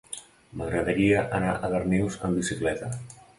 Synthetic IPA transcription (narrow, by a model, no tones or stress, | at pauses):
məɣɾəðəɾiəʔənaʔəðərniwzəmbisiklɛt̪ə